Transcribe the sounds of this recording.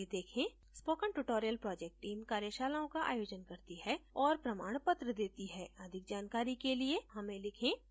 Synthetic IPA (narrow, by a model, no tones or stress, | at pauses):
ed̪eːkʰẽ | spoːkə̃ɳʈuʈoːɾijəlpɾɔːd͡ʒɛk̚ʈːiːmkaːɾjəʃaːlaːõkaʔa̰ːjoːd͡ʒənkɐɾt̪iɦɛɔːɾpɾɐmaːɽ̃pət̪ɾəd̪eːt̪iɦɛːɐd̪ʱɪk̚d͡ʒaːnkaːɾikelieɦɐmẽlɪkʰẽː